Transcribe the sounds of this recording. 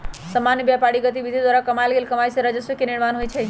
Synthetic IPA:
səmanjəbjapaɽiɡət̪̬ibid̪ʱid̪waɾakəmajlɡelkəmajsẽɾəd͡ʒəsjəkeniɽmanɦojt͡ʃʰɛ

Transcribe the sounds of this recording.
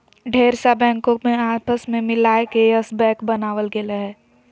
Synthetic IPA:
ɖʱeːɾsabɛ̃ːŋkõmẽaːpəsmẽmɪlaːekeəsbɛ̃ːkbɐnaːʋəlɡelaɦɛː

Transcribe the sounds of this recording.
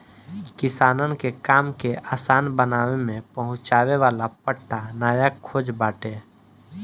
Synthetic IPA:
kɪsaːnənkekaːmkeaːsaːnbənaːwemẽpəɦʊ̃t͡ʃaːweʋaːlapəʈːanaːjakʰːoːd͡ʒbaːʈeː

